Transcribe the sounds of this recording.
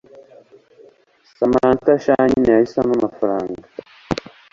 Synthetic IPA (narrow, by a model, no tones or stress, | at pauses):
samantaʃaɲinijahisanamafaɾaːŋɡɡa